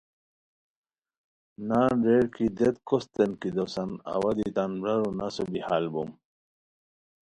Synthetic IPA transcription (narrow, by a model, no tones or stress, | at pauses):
nanɾeɽkid̪et̪kʰost̪enkid̪osana̰wad̪it̪anbɾaɾunasobihalbum